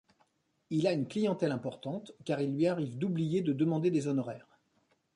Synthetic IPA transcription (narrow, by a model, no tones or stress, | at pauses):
ilaynklijɑ̃t̪ɛlɛ̃pɔʁt̪ɑ̃t̪kʲaʁilːɥiaʁivd̪ublijed̪əd̪əmɑ̃d̪ed̪ezɔnɔʁɛːʁ